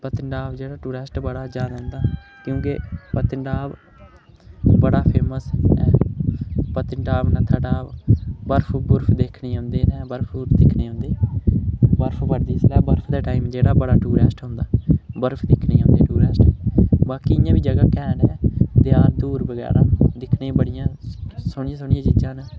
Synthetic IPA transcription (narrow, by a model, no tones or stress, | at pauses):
pət̪ɪɳɖaːbd͡ʒeːɽaːʈuːɾɛːsʈbəɽaːd͡ʒaːd̪aːɦʊ̃nd̪aːkjõːkepət̪ɪɳɖaːb | bəɽaːpʰeːməsɛː | pət̪ɪɳɖaːbnɛ̃ːt̪ʰaːɖaːbəɾpʰbʊɾpʰd̪eːkʰɳiːɦʊ̃nd̪eːnɛ̃ːbəɾpʰbʊɾpʰd̪ɪkʰneːɦʊ̃nd̪eː | bəɾpʰbəɾd̪iːslɛːbəɾpʰd̪aːʈaːimd͡ʒeːɽaːbəɽaːʈuːɾɛːsʈɦʊ̃nd̪aːbəɾpʰd̪ɪːkʰneːɦʊ̃nd̪eːʈuːɾɛːsʈɛbaːkiːɪjãːʋiːd͡ʒəɡaːkɛːnɛːd̪ɪaːɾd̪uːɾbəɡɛ̰ːɾãːd̪ɪkʰnebəɽɪjãːsʊɳɪjãːsʊɳijãːt͡ʃiːd͡ʒãːnə